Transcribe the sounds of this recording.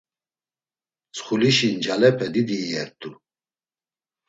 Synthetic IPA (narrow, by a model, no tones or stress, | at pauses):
t͡sʰʼχuliʃind͡ʒalɛpʰɛd̪id̪iɛɾt̪ʰʼu